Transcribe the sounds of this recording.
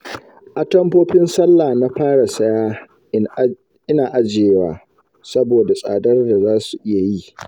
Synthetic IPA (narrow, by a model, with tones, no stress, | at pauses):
ʔa˨tɐ˦mɸoː˦ɸɪ˦nsɐ˦lːaː˨na˦ɸaː˦ɽa˨sɐ˦jaː˦ | ʔɪ˦naː˨ʔa˦d͡ʒeː˨waː˨ | sɐ˦boː˨da˨sʼa̰ː˨dɐ˦rda˨zaː˦su˨ʔɪ˦ja˨ji˦ʔ